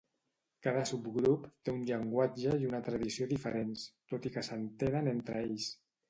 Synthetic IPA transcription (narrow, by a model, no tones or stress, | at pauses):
kaðəsubɡɾupt̪eunʎəŋɡwad͡ʒəiunət̪ɾəðisioðifəɾenst̪ot̪ikəsənt̪enənent̪ɾəeʎs